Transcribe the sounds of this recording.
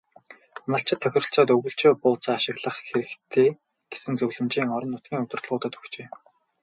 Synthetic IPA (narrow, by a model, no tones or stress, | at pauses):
maɬt͡ɕʰɪ̆t̪ʰːœxʲɪ̆r̆ɬt͡sɔːt̪ɵɣɵ̆ɬt͡ɕoːpʊːt͡saːaʃɪ̆ɣɮə̆χxeɾɘ̆kt̪ʰeː | ɡ̥e̥sɘ̆nt͡sɵwɮɘ̆mt͡ɕiːŋɔɾɞ̆nːʊt̪ɡʲiːŋɵt̪ɵ̆rt̪̆ɮʁʊːt̪ə̆t̪ɵ̥xt͡ɕeː